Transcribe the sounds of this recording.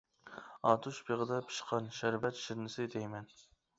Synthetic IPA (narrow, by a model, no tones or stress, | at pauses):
ɑːt̪ʰuʃbʰeʁɨd̪ɑpʰi̥ʃqʰɑnʃæɾvɛt̪ʃiɾnɨsɨd̪ɛjmɛn